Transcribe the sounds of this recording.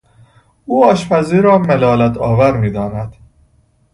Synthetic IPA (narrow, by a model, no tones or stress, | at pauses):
uːɒːʃfæziːɾɒːmelɒːlæt̪ʰɒːvæɾmiːd̪ɒːnæd̪̥